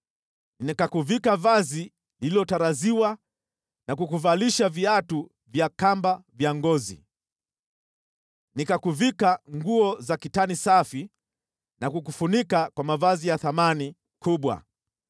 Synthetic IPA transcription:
nɛkakuvikavazi | lililɔtaɾaziwa | nakukuvaliʃaviatu | vjakambavjaŋɡɔzḭ | nikakuvikaŋɡuɔzakitanisafi | nakukufunikakwamavazijaθamani | kʰuɓwa̰

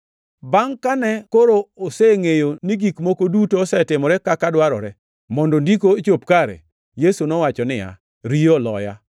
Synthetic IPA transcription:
baŋkanɛkoɾooseŋejoniɡikmokodutoːsɛtɪmɔɾɛkakadwaɾɔ̰ɾɛ | mɔndɔndikoet͡ʃopkaɾḛ | jesunɔwat͡ʃɔnɪja̰ | ɾijolɔ̰ja̰

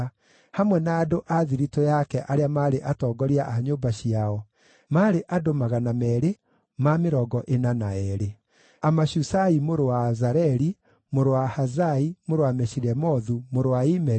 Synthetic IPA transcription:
hamwɛnaːdoʔaðiɾitɔjakɛʔaɾeamaɾeʔatɔːɡɔɾiaʔaɲoːbaɕiaɔ | maɾeʔadomaɣanamɛːɾe | mameɾɔɡɔʔenanaɛːɾe | amaɕusaimoɾowazaɾɛɾi | moɾowahazaimoɾowamɛɕiɾɛmɔðumoɾowaimɛ

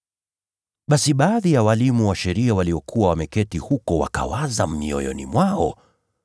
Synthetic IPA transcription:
ɓasiɓaːðijawalimuwaʃɛɾiawaliɔkʰuwawamɛkɛtihukɔwa̰ka̰wazam̩miɔ̰jɔ̰nḭmwaɔ̰

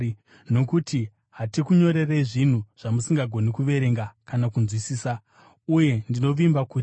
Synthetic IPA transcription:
no̞kuti | ɦatikuɲo̞ɾe̞reiʐin̤uʐ̥amusiŋɡaɡʱo̞nikuʋe̞ɾe̞ŋɡakanakunzwisiːsa | uje̞ndino̞ʋimbakuti

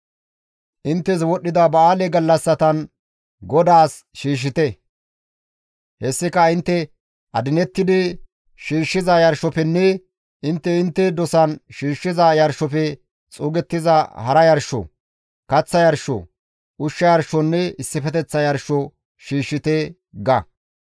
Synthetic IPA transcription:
ʔɪnt̪ːɛs̬wɔɗːɪd̪ɐbɐaːlɛɡɐlːɐsːɐt̪ɐn | ɡɔd̪aːs | ʃiːʃ̬ːɪt̪ɛ | hɛsːɪkɐɪnt̪ːɛ | ʔɐd̪ɪnɛt̪ːɪd̪ɪ | ʃiːʃːɪzɐjɐɾʃɔpɛnːɛ | ɪnt̪ːɛɪnt̪ːɛd̪ɔsɐnʃiːʃːɪzɐjɐɾʃɔpɛ | t͡sʼuːɡɛt̪ːɪzɐhɐɾɐjɐɾʃɔ̰ | kɐt͡sːɐjɐɾʃːɔ̰ | ʔʊʃːɐjɐɾʃɔnːɛɪsːɪfɛt̪ɛt͡sːɐjɐɾʃɔ | ʃiːʃːɪt̪e | ɡɐ

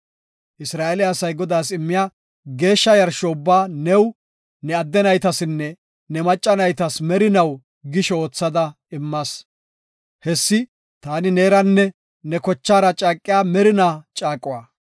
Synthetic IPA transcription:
ʔɪsɾaːʔɛlɪjːsɐjɡɔd̪aːsɪmːɪjaː | ɡe̞ːʃːɐjɐɾʃɔʊbːaːnɛw | nɛɐd̪ːɛnɐjt̪ɐsɪnːɛ | nɛmɐt͡ʃʼːɐnɐjt̪ɐsmɛɾɪnɐw | ɡɪʃɛoːt͡sːɐd̪ɐ | ɪmːɐs | hɛsːɪ | t̪aːnɪne̞ːɾɐnːɛ | nɛkɔt͡ʃːaːɾɐt͡ʃʼaːkʼːɪjaːmɛɾɪnaːt͡ʃʼaːkʼːʊwaː

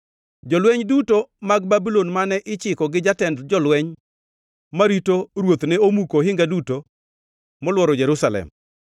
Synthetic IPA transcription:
d͡ʒɔlwɛɲdutomaɡ̚babilonmanɛʔɪt͡ʃɪkɔɡɪd͡ʒatɛndd͡ʒɔlwɛɲ | maɾitoɾwot̪nɛomukoɦɪŋɡaduto | mɔlwɔɾɔd͡ʒɛɾusalɛ̰m

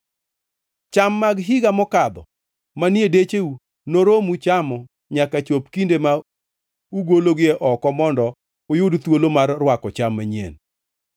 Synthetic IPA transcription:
t͡ʃamːaɡɦɪɡamɔkad̪ɔ | manɪedet͡ʃeu | noɾomut͡ʃamɔ | ɲakat͡ʃopkindema | uɡoloɡɪeʔɔkɔmɔndɔ | ʊjʊdt̪wolomarːwakɔt͡ʃamːaɲḛn

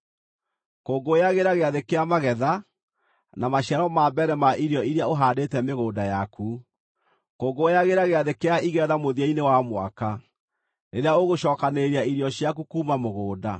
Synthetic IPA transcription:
koːɡojaɣeɾaɣeaðekeamaɣɛða | namaɕjaɾɔmaːbɛɾɛmaʔiɾjɔiɾeaoɦaːdetɛmeɣoːdajakʰu | koːɡojaɣeɾaɣeaðekeaiɣɛðamoðiainewamwa̰ka | neɾeaoɣoɕɔːkaneɾeaiɾiɔɕjak̬ukuːmamoɣoːda

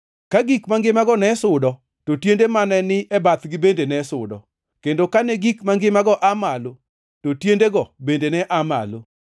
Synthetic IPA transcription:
kaɡikmaŋɡɪmaɡɔnɛsʊdɔ | totjendemanɛnɪʔɛbat̪ɡɪbendenɛsʊdɔ̰ | kendokanɛɡikmaŋɡɪmaɡɔʔamalo | totjendeɡɔbendenɛʔama̰lo

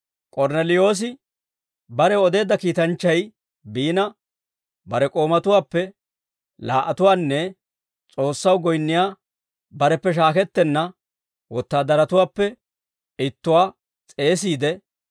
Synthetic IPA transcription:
kʼɔɾnɛlɪjo̞ːs̬ɪ | bɐɾɛɔd̪e̞ːd̪ːɐkiːt̪ɐnt͡ʃːɐj | biːnɐ | bɐɾɛkʼo̞ːmɐt̪ʊwaːpːɛ | la̰ːʔɐt̪ʊwaːnːɛ | t͡sʼo̞ːsːɐwɡɔjnːɪjaː | bɐɾɛpːɛʃ̬aːkɛt̪ːɛnːɐ | wɔt̪ːaːd̪ɐɾɐt̪ʊwːpːɛ | ɪt̪ːʊwaː | t͡sʼe̞ːs̬iːd̪ɛ

